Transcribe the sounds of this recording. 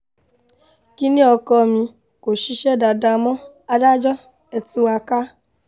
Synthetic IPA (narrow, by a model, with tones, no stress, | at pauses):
ki˦nĩ˦ɔ˧kɔ˧mĩ˧ | ko˨ʃi˧˦ʃɛ˦da˧da˧mɔ̃˦ | a˧da˦d͡ʒɔ˦ | ɛ˧tu˦˧wa˧ka˦